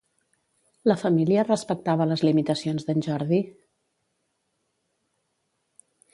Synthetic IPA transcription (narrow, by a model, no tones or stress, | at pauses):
ləfəmiliərəspək̚t̪aβələzlimit̪əsionzðənʲʒɔɾði